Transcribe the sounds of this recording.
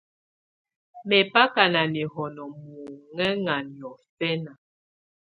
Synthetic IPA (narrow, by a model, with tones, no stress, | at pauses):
mɛ˨pa˦ka˨na˨ni˨hɔ˨nɔ˨mu˨ŋɛ˦ŋa˨njɔ˨fɛ˦na˨